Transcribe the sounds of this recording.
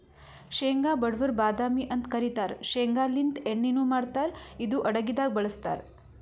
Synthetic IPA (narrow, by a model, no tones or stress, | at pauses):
ʃeːŋɡaːbɐɽʋɐɾbaːd̪aːmiʔɐnt̪kɐɾit̪aːɾʃeːŋɡaːlint̪eɳːinuːmaːɽt̪aːɾid̪uʔɐɽɐɡid̪aːɡ̚bɐɭɐst̪a̰ːɾ